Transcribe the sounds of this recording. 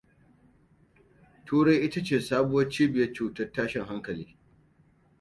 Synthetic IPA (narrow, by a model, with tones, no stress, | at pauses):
tʰuː˦ɽa˦jʔɪ˦ta˦t͡ʃeː˨saː˦bʊ˦wɐ˦t͡ʃiː˦bɪ˨jɐ˦rt͡ʃuː˨tɐ˦rtaː˦ʃɪ˨ŋɦa˦ŋkɐ˨lḭː˦